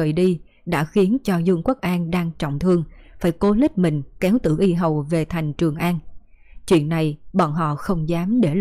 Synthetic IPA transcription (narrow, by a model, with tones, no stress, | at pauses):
əː˨˩jɗi˧ | ɗa̰ː˧˥xi˨˦ənt͡ɕɔ˧zu˧ŋku˦˥ək̚ʔaː˧nɗaː˧ŋt͡ɕɔ̰˧˨wŋ͡mt̪ʰɨ˧əŋfaː˧˩jko˧˦lï˦˥k̟̚mï˨˩ŋ̟kɛ˨˦wt̪ɨ̰˧˩ʔi˧ɦə˨˩wve˨˩t̪ʰa˨˩jŋ̟t͡ɕɨ˨˩əŋʔaː˧n | t͡ɕwḭ˧˨ənːa˨˩jɓɔ̰˧˨nɦɔ̰˧˨xə˧wŋ͡mzaː˨˦mɗe˧˩